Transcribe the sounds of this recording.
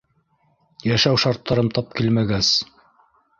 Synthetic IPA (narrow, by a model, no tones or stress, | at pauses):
jæʃæwʃɑɾt̪ːɑɾɤmt̪ɑp̚kilmæɡæs